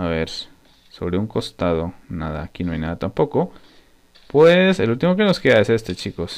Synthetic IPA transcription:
aβeɾ | so̞̰βɾeuŋko̞st̪aðo̞naða̰ːkinoajnaðat̪ampo̞ko | pweselult̪imok̬e̞no̞ske̞ðaese̞st̪e̞t͡ʃikos

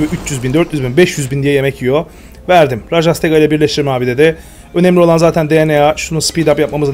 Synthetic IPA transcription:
vyʔyt͡ʃjyzbind̪øɾt̪jyzbinbɛʃjyzbind̪ijɛje̞mɛcʰijo̞ | væɾd̪imɾaʒast̪ʰeɡajilʲɛbiɾlʲɛʃt̪ʰiɾmɛaːbid̪ed̪ɛ | ø̞nɛmlʲio̞lˠanzaːt̪ʰænd̪eeneaʃununspid̪apjapmamɯza

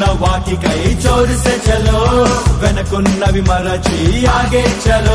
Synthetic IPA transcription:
nɐʋaːʈikɐjt͡ʃoːɾiset͡ʃɐloːʋɛnɐkunːɐʋimɐɾɐt͡ʃijaːɡeːt͡ʃɐlo

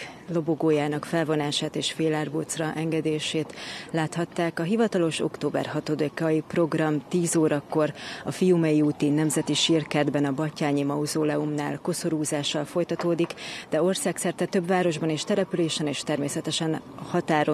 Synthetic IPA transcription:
lo̞bo̞ɡoːjaːnɒkfɛlvo̞naːʃaːt̪eːʃfeːlaːrboːt̪srɒʔɛŋɡɛd̪eːʃeːt̪laːt̪hɒt̪ːaːkɒɦivɒt̪ɒlo̞ʃo̞̰kt̪oːbɛ̰rɦɒt̪o̞d̪ekɒjipro̞ɡrɒmt̪iːzoːɾɒkːo̞rɒfijumɛjiuːt̪iːnːɛmzɛt̪iʃirkɛd̪bɛnɒbɒcːaːɲimɒuzoːlɛumna̰ːlko̞so̞ɾuːzaːʃːɒlfo̞jt̪ɒt̪oːd̪ikd̪ɛo̞rsaːksɛrt̪ɛt̪øbvaːɾo̞ʒbɒneːʃt̪ɛɾɛpyleːʃɛneːʃt̪ɛrmeːsɛt̪ɛʃɛnɒhɒt̪aːɾo

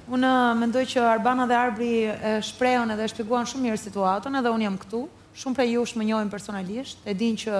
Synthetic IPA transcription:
unəmɛnd̪ɔjt͡ɕəaɾbanaðɛaɾbɾiɛʃpɾɛɔnɛðɛʃpjɛɡuanʃumːiɾsit̪uat̪ɔnɛðɛunjamkə̥t̪u | ʃumpɾɛjuʃməɲɔimpɛɾsɔnaliʃt̪ɛd̪incə

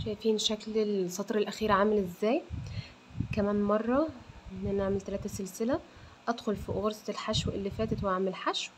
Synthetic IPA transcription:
ʃæjfiːnʃæklelsˤɑt̪ˤɾelʔæxiːɾʕaːmelʔezːæːj | kæmæːnmɑrˤːɑʔenːʔænaʕamelt̪ælæːt̪æselsɪlæ | ʔæd̪xolfiʔoɣɑɾsˤɑelħaʃwʔelːifæːt̪æt̪wʔaʕmelħaʃw

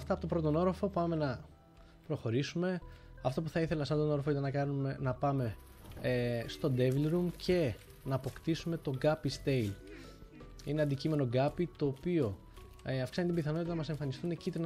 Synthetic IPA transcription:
ɐft̪ɐpo̞t̪o̞pɾo̞t̪ono̞ɾofo̞pɐme̞nɐ | pɾo̞xo̞ɾisume̞ɐft̪opuθɐiθe̞lɐsɐnd̪ono̞ɾofoit̪ɐnɐkɐnumenɐpɐme̞ | st̪o̞d̪e̞vlɾumcʰe̞ | nɐːpo̞kt̪isume̞t̪o̞ɡɐpist̪e̞il | ineɐnd̪icime̞no̞ɡɐpit̪o̞ːpio̞ | ɐfksɐnet̪ibiθɐnoit̪ɐnɐmɐse̞ɱfɐnist̪unecit̪en

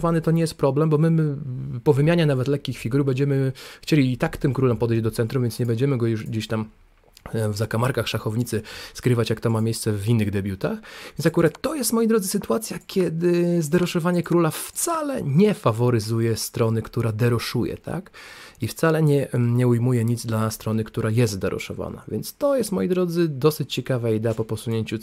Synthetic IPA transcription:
vanɘt̪ɔɲɛjɛst̪̚pɾɔblɛmbɔmɘmɘpɔvɘmʲjaɲɛnavɛt̪lɛkʲːixfʲiɡuɾbɛɲd͡ʑɛmɘxt͡ɕelʲit̪akt̪ɘmkɾulɛmpɔd̪ɛjʑd͡ʑd̪ɔt̪sɛnt̪ɾumvʲɛntsɲɛbɛɲd͡ʑɛmɘɡɔjuʐɡd͡ʑeɕt̪am | vzakamaɾkaxʂaxɔvɲit̪sɘskɾɘvat͡ɕjakt̪ɔmamʲejst̪sɛvʲinːɘɣd̪ɛbʲjut̪a̰xv̥ʲjɛnsakuɾat̪ːɔjɛst̪mɔjid̪ɾɔd̪zɘsɘt̪uat̪sʲjakʲɛd̪ɘzd̪ɛɾɔʂɔvaɲɛkɾulaft̪salɛ̰ɲɛfavɔɾɘzujɛst̪ɾɔnɘkt̪uɾad̪ɛɾɔʂujɛ̰t̪a̰kift̪salɛɲɛɲɛujmujɛɲid̪zd̪last̪ɾɔnɘkt̪uɾʔajɛst̪d̪ɛɾʔɔ̰ʂɔ̰va̰na̰vʲjɛ̰nt̪st̪ɔjɛst̪mɔjid̪ɾɔd̪zɘd̪ɔsɘt͡ɕt͡ɕɛkavaid̪ɛapɔpɔsuɲeɲt͡ɕu

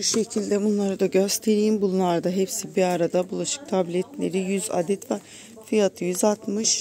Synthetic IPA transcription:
buʃe̞cʰilʲd̪ɛbunlˠaɾɯd̪aɟø̞st̪ʰe̞ɾijmbulˠunˠaɾd̪aɦɛpsibiaɾad̪abulˠaʃɯ̥k̚t̪ʰablʲɛt̪lʲeɾijyza̰d̪ɛt̪vɛ | fijat̪ʰɯjyzat̪mɯʃ

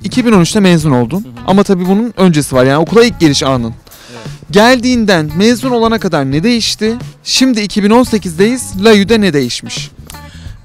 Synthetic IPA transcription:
icʰibino̞nyt͡ʃt̪amɛzuno̞lˠd̪una̰mat̪ʰabiːbununø̞nd͡ʒe̞sivaɾjaːnio̞kʰulˠajic̚ɟeɾiʃaːnɯn | ɟælʲd̪iːnd̪ænmɛzuno̞lˠanakad̪aɾnɛd̪e̞jiʃt̪ɪʃimd̪iːcʰibino̞nse̞cizd̪ejiz̥lʲajyd̪ɛnɛd̪e̞jiʃmiʃ

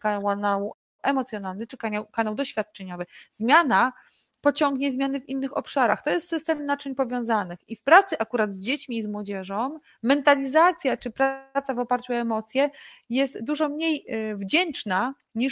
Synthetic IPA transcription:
kawanawu | ʔɛmɔt̪sʲjɔnalnɘt͡ʂɘkaɲawkanawd̪ɔɕfʲjat̪̚t͡ʂɛɲɔvɘzmʲjana | pɔt͡ɕɔŋɡɲɛzmʲjanɘvʲinːɘxɔpʂaɾa̰xt̪ɔjɛst̪sɘst̪ɛmnat͡ʂɛɲpɔvʲjɔ̃w̃zanɘxifpɾat̪sɘʔakuɾad̪zd͡ʑet͡ɕmʲiːzmwɔd͡ʑɛʐɔː | ɛnt̪alʲizat̪sʲjat͡ʂɘpɾat̪savɔpaɾt͡ɕuɔɛmɔt̪sʲjɛjɛst̪d̪uʐɔmɲejvd͡ʑɛnt͡ʂna | ɲi

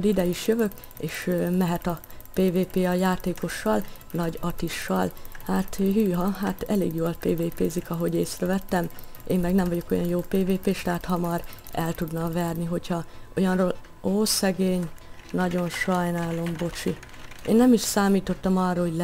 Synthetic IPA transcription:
d̪id̪ɛjiʃjøvø̞k | eːʃmɛɦɛt̪ɒpeːveːpeːɒjaːt̪eːko̞ʃːɒl | nɒɟɒt̪iʃːɒ̰lhaːt̪ɦyːɦɒɦat̪ɛlḛːɡjoːlpeːveːpeːzikɒɦo̞ɟeːsrɛvɛt̪ːɛmeːmːɛɡnɛɱvɒɟo̞kojɒnjoːpeːveːpeːʃt̪ɛɦaːt̪hɒmɒrɛlt̪ud̪nɒvɛrniɦo̞chɒʔo̞jɒnroːl | oːsɛɡeːɲ | nɒɟo̞nʃɒjnaːlo̞mbo̞t͡ʃi | ḛːnːɛmiʃsaːmiːt̪o̞t̪ːɒmɒrɒhoɟl

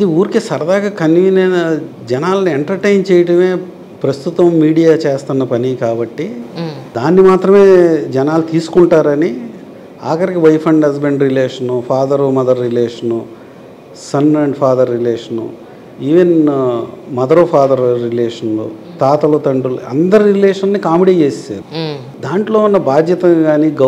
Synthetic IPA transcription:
ɐd̪iuːɾikisɐɾɐd̪aːɡakɐnːʋiːnenɐ | d͡ʒɛnaːlɐnieɳʈɐɾʈejnt͡ʃɛːjɐʈɐme̞ː | pɾɐst̪ut̪ʋɐmːiːɽijaːt͡ʃeːst̪ɐnːɐpɐnikaːbɐʈːid̪aːnːimaːt̪ɾɐme̞ːd͡ʒɛnaːlut̪iːsu̥kuɳʈaːɾɐni | aːkɐɾikiʋɐjpʰɐɳɖɦɐs̬beɳɖɾileːʂɐnupʰaːd̪ɐɾumɐd̪ɐɾːileːʂɐnu | sɐnɐɳɖpʰaːd̪ɐɾːileːʂɐnṵ | iːʋen | mɐd̪ɐɾopʰaːd̪ɐɾɾileːʂɐnlṵt̪aːt̪ɐlut̪ɐɳɖulɐ̰nd̪ɐɾiɾileːʂɐnnːikaːmiɽiːt͡ʃeːssa̰ːɾu | d̪aːɳʈlo̞ːunːɐbaːd̪jɐt̪ɐɡaːniɡɐ

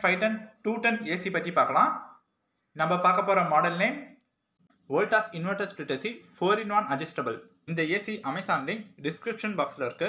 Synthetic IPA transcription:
fɐɪʈɐnʈuːʈːɐneːsipɐt̪ːipaːɾkɐlãː | nɐmbɐpaːɾkɐpːoːɾɐmɔːɽɐlnɐɪm | ʋoːlʈaːsɪnʋɐʈɐsplɪʈːɐsifoːɾɪnʋaːnɐd͡ʒɐsʈɐbɐl | ɪnd̪ɐeːsiʔɐmɐɪsaːnlɪnɖɪskɾɪpʂɐnbaːkslɐɪɾɯkːɯ

